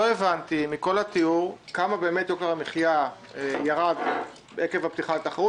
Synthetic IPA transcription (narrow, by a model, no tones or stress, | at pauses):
oevant̪imiko̞lat̪iuʁkamabe̞eme̞tjokaʁamiχja | ejaʁad | beekevapt̪iχalet̪aχaʁu